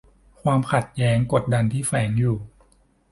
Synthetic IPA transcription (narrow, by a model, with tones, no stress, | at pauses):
kʰwaː˧mkʰa˨˩t̪̚jɛː˦˥ŋko˨˩t̪̚da˧nt̪ʰiː˥˩fɛː˩˦ŋjuː˨˩